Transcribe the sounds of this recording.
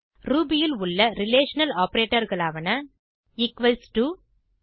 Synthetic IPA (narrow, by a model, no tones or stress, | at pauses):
ɾuːbɪjɪlʊɭːɐɾɪleːʂɐnɐlaːpɐɾeːʈːɐɾɣɐɭaːʋɐnɐ | ɪkʋɐlsʈu